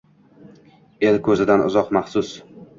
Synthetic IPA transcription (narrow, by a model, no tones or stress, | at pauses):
e̞lkʰɵzɪd̪anʊ̰zɒqmɑχsʊs